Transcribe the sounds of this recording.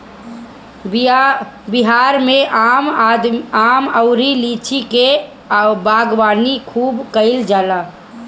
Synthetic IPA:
bɪɦaːɾmẽʔam | aːməʊɾilit͡ʃʰike | baːɡwaːnikʰuːbkəɪld͡ʒaːlaː

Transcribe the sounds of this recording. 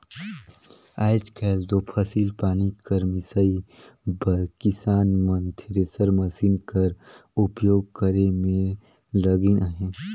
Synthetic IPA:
aːɪd͡ʒkʰɛːld̪opʰəsiːlpaːnikəɾmɪsai | bəɾkɪsaːnmənt̪ʰeɾesəɾməsiːnkəɾʊpjoːɡ̚kəɾemẽ | ləɡinaɦẽ

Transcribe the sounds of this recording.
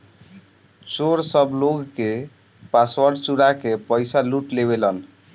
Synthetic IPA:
t͡ʃoɾsəbloɡke | paswəɾɖt͡ʃuɾakepəjsaluʈleβelən

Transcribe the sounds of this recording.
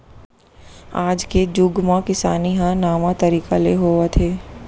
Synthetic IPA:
aːd͡ʒked͡ʒʊɡmãkɪsaːniɦãnaːmãt̪ɐɾiːkaleɦoːat̪ʰeː

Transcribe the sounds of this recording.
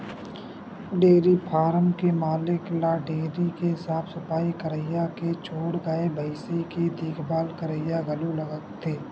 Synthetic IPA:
ɖeːɾipʰaːɾəmkemaːlɪklaːɖeːɾikeɦɪsaːpʰsʊpaːikəɾəɪjaket͡ʃʰoːɽɡaːebəɪseked̪iːkʰbaːlkəɾəjaɡəlũləɡəkt̪ʰeː

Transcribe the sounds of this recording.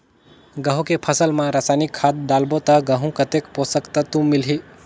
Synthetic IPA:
ɡəɦũkepʰəsəlmãɾasanikʰːat̪̚ɖ̪aːlbot̪əɡəɦũkət̪ekposəkt̪ət̪ũmːilɦi

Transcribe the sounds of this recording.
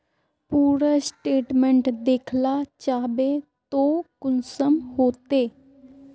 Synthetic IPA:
puːɾaːsʈeːʈmɛ̃ɳʈd̪eːkʰlaːt͡ʃaːbeːt̪õːkʊnsəmhoːt̪eː

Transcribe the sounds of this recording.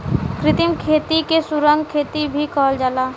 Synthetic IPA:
kɾɪt̪ɪmkʰeːt̪ikesʊɾə̃ŋɡkʰːeːt̪ibʱikɔːld͡ʒaːlaː

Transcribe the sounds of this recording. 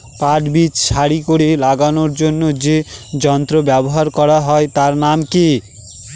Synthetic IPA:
paʈbit͡ɕʃʰaɾikoɾelaɡanoɾd͡ʑonːod͡ʑed͡ʑɔnt̪ɾobɛboɦaɾkɔɾaɦɔet̪aɾnamke

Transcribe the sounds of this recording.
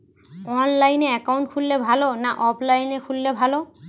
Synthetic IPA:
ɔnlajnɛɛkawnʈkʰulːɛbʱalɔnaʔɔpʰlajnɛkʰulːɛbʱalɔ

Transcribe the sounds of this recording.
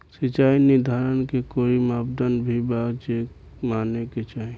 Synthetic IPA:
sɪt͡ʃaːinɪd̪ʱaːɾənkekoːimaːpd̪ənbʱibaːd͡ʒeːk | maːnːeket͡ʃaːɦe

